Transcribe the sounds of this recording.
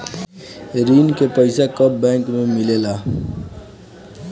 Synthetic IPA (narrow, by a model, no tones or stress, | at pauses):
ɾinkepəɪsakəp̚bɛ̃ŋkmemilela